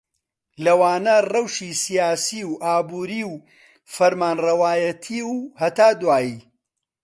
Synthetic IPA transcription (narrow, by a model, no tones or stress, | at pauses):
lɐwaːnɐrɐwʃiːsijaːsiːwʔaːbuːɾiːw | fɐɾmaːnrɐwaːjɐt̪ʰiːwhɐt̪aːd̪waːjiː